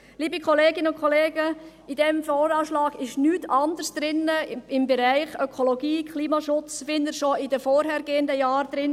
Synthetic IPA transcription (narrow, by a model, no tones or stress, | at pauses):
liːbikχoleːɡɪnəʊnkʰoleːɡə | ɪd̥ɛmfɔːɾɑːʃlɑːɡɪʃnyːtʰɑndəɾsd̪̥ɾɪnəɪmbɛɾæɪχœkʰoloɡiːkʰliːmɑʃʊt͡sfɪndəɾʃoɪdəfɔːɾɦɛɾɡeːəndəjɑːɾd̥̪ɾɪn